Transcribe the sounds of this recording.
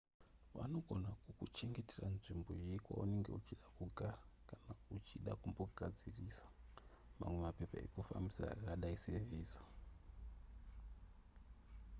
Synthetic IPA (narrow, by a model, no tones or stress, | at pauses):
ʋa̰no̞ɡʱo̞nakukut͡ʃe̞ŋɡe̞teranʐimbo̞jiikwa̰une̞ŋɡe̞̰ut͡ʃiɗakuɡʱara | kanaut͡ʃiɗakumbo̞ɡʱad͡zirisḁ | ma̰mwe̞mape̞paḛkufa̰mbisa̰ːkaɗaiseviːsḁ